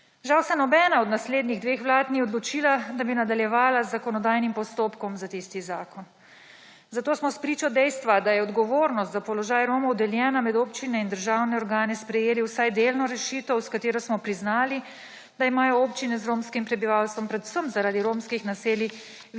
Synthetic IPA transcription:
ʒawsɛnɔbɛːnaɔd̪nasleːd̪niɣd̪ʋexʋlaːt̪niɔd̪lɔt͡ʃiːlad̪abinad̪aljɛʋaːlazːakɔnɔd̪aːjnimpɔst̪oːpkɔmzat̪ist̪izaːkɔn | zat̪oːsmɔspɾiːt͡ʃɔd̪ɛjst̪ʋad̪ajɛɔd̪ɡɔʋoːɾnɔst̪zapɔlɔʒaːjɾoːmɔwd̪ɛljɛːnamɛd̪oːpt͡ʃinɛind̪əɾʒaːwnɛɔɾɡaːnɛspɾɛjeːliwsajd̪elnɔɾɛʃiːt̪ɔwskat̪eːɾɔsmɔpɾiznaːli | d̪̥aimaːjɔopt͡ʃinɛzɾoːmskimpɾɛbiʋalst̪ʋɔmpɾɛd̪usəmzaɾaːd̪iɾoːmskixnaseːli

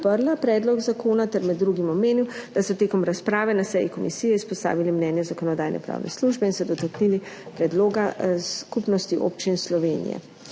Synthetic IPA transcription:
pəɾlapɾɛːd̪lɔɡzakʰoːnat̪ɛɾmɛd̪ːɾuɡimɔmeːniwd̪̥asɔt̪eːkɔmɾaspɾaːʋɛnasɛjikɔmisiːjɛispɔst̪a̰ːʋilimnɛnjɛzakɔnɔd̪aːjnɛ̰pɾa̰ːwnʔɛ̰sluʒbɛinsɔd̪ɔt̪aknilipɾɛd̪loːɡaskupnɔst̪iʔo̰ːpt͡ʃinslɔʋeːnḭjɛ̰

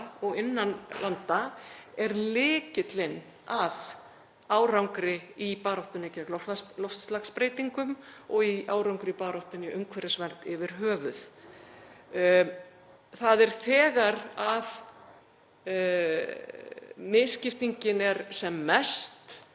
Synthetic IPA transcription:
ɔɣɪnːanlʔant̪aɛɾlɪːcɪt̪lɪn | að | aːwɾawŋkɾɪipaːɾɔwht̪ʏnɪcɛlɔfalɔft̪slaxspɾeːjt̪iŋkʏmɔɣiaːwɾawŋkɾɪipaːɾɔwht̪ʏniʏŋkʰvɛɾɪsvɛn̥t̪ɪvɪɾ̥ɦœːvʏθ | θaðɛɾ̥θɛːɣaɾað | mɪːscɪft̪iɲcɪnɛɾsɛmːɛst̪

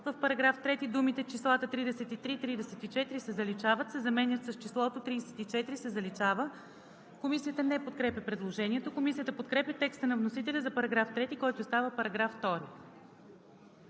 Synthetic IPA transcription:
vəfpɐɾɐɡɾaft̪ɾɛt̪id̪umit̪ɛt͡ʃislˠat̪ət̪ɾid̪ɛsɛt̪it̪ɾit̪ɾid̪ɛsɛt̪it͡ʃɛt̪iɾisɛzɐlit͡ʃavət̪sɛzɐmɛnjət̪sɐst͡ʃislˠɔt̪ot̪ɾid̪sɛ̥t̪it͡ʃɛt̪iɾisɛzɐlit͡ʃavə | komisijət̪ənɛpot̪̚kɾɛpʲjəpɾɛd̪lˠoʒɛniɛt̪okomisijət̪əpot̪kɾɛpʲjət̪ɛkst̪ənɐvnosit̪ɛlʲəzɐpɐɾɐɡɾaft̪ɾɛt̪ikɔjt̪ost̪avəpɐɾɐɡɾafːt̪ɔɾi

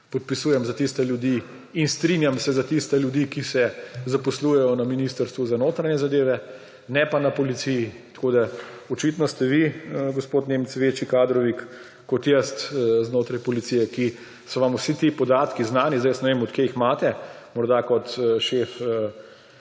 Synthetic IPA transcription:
pɔt̪̚pisuːjɛmzat̪ist̪ɛljud̪iː | nst̪ɾinjamsɛzat̪ist̪ɛljud̪iːkisɛzapɔsluːjɛjɔnaminiːst̪əɾst̪ʋuzanoːt̪ɾaɲɛzad̪eːʋɛ | nɛpanapɔlit̪siji | t̪ḁkoːd̪aɔt͡ʃit̪nɔst̪ɛʋiɡospoːt̪neːmt͡s̪ʋeːt͡ʃikaːd̪ɾɔʋikː | ɔt̪jɛst̪znoːt̪ɾajpɔlit̪sijɛki | sɔʋamusit̪ipɔd̪aːt̪kiznaːnizd̪ajəsnɛʋemɔt̪kejixmaːt̪ɛ | mɔɾd̪akɔt̪ʃeːfə

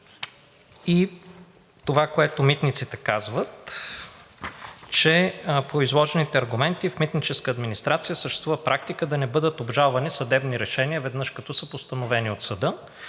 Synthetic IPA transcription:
i | t̪ovakoɛt̪omit̪nit̪sit̪ɛkazvət̪ | t͡ʃɛpoizlˠɔʒɛnit̪ɛɐɾɡʊmɛnt̪ifmit̪nit͡ʃɛskəːd̪minist̪ɾat̪sijəsəʃt̪ɛ̥st̪vuvəpɾʔak̚t̪ikəd̪ɐnɛbɤd̪ət̪obʒalˠvɐnisɐd̪ɛbniɾɛʃɛniəvɛd̪nɤʃkɐt̪ɔsəpost̪ɐnovɛniot̪sɐd̪ɤ

